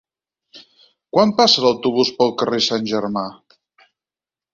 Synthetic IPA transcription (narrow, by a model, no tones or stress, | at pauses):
kwampasələwt̪uβ̞uspəlˠkəresanʲʒərma